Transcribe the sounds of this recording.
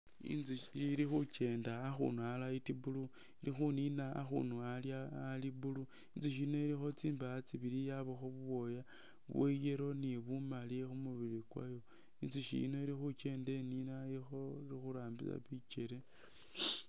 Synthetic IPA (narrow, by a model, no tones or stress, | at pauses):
ḭnziiɾixut͡ʃe̞ːndaːxṵnualaitibulu | ilixunina̰ːxṵnualjaːlibulu | inziʃ̬ino̞iɾixo̞t͡siːmbaːt͡siβilijaβoxoβuβo̞ja | βwejeɾo̞niβumalixumuβilikwa̰jo̞ | inziʃḭno̞iɾixut͡ʃe̞ːnde̞ninaixo̞iɾixuɾaːmbit͡sa̰βit͡ʃe̞ɾe